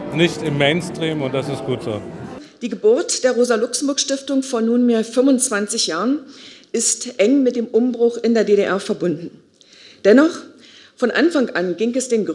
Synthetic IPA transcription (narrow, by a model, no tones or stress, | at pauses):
nɪçtɪmːeɪnstʁ̥iːmʊnt̚d̥asɪstɡ̥uːtz̥o̰ːd̥iːɡəbʊɐtd̥eːɐʁoːzalʊksm̩bʊɐkʃtɪftʊŋfoːɐnuːnmeːɐfʏmʊnt͡sv̥ant͡sɪçjaːʁənʔɪstʔɛŋmɪt̚d̥eːmʔʊmbʁʊχɪndeːɐdeːɾeʔɛɐfɛɐbʊndn̩ | d̥ɛnɔχ | fɔnʔanfaŋʔanɡɪŋɛsd̥eːnɡ